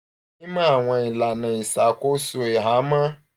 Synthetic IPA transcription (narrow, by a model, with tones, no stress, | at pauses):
ɪ˦ma˦˨ŋʷa˨ɪ˨la˨na˨i˨sa˨kʷo˦su˨e˨ɦa˨˦ma˦